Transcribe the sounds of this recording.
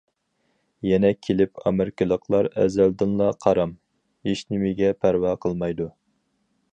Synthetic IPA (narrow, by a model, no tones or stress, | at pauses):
jɛnɛkʲʰelɪpʰɑ̰mɪɾɪkʲʰɪlˠəqʰlˠɑɾɛ̰zæld̪ɪnlˠɑqʰɑɾɑm | iʃnɪmɪɡʲɛpʰæɾwɑqʰəlˠmɑjd̪u